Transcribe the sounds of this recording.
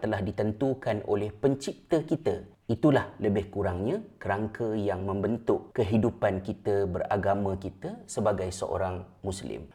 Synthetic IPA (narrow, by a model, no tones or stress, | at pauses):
t̪əlahdit̪ənt̪ukanʔo̰lɛhpəɲt͡ʃip̚t̪əkit̪ə | it̪ulahləbɪhkuɾaŋɲãkəɾaŋkʰəjaŋmə̃mbənt̪ʊʔkəɦidupankit̪əbəra̰ɡamãkit̪əsəbaɡajsə̰ʔo̰ɾaŋmũslɪ̰m